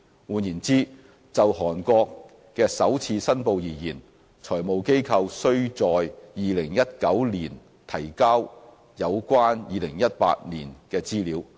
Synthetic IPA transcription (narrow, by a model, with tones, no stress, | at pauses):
wuː˨˩njiː˨˩nt͡siː˥ | t͡sɐ˨wɦɔː˨˩nkɔː˧kː | ɛː˧sɐ˨˥wt͡sʰiː˧sɐ˥npo˨˧wjiː˨˩jiː˨˩n | t͡sʰɔː˨˩jmo˨wke˥jkʰɐ˧wsɵ˥ɥt͡sɔː˨jjiː˨˧lɪ˨˩ŋjɐ˥t̚kɐ˨˥wliː˨˩n | t̪ʰɐ˨˩jkaː˥w | jɐ˨˧wkʷaː˥njiː˨˧lɪ˨˩ŋjɐ˥t̚pa̰ː˧t̚niː˨˩nkɛː˧t͡siː˥liː˨˥w